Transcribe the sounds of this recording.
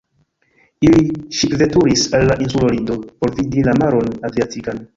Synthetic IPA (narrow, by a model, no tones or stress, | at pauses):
iliʃipve̞tuɾisalːaʔinsulolindo̞po̞ɾvidilamaɾo̞naziatikan